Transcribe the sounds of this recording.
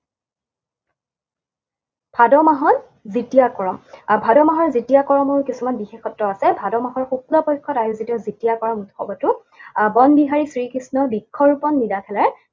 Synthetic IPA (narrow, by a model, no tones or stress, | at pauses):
b̥ʱadɔmaɦɔn | zitijakɔɹɔmbʱadɔmaɦɔɹzitijakɔɹɔmɔɹkisumanbixexɔtɹɔasɛbʱadɔmaɦɔɹxup̚ulapɔjkʰɔtajuzitiɔzitijakɔɹɔmutxɔbɔtʊ | bɔnbiɦaɹisɹikisnɔbikʰːɔɹupɔnːidakʰɛlaɹ